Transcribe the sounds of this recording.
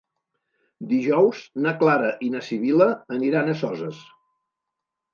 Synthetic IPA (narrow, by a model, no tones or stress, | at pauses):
d̪iʒɔwznəklaɾəʔinəsiβiləːniɾanəsɔzəs